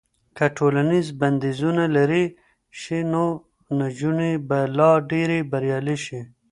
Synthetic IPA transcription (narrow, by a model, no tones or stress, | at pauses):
kaʈʰolanizbɐnd̪izunalɐɾi | ʃino | nad͡ʒunibalɑɖeɾibɐɾjɑːliʃi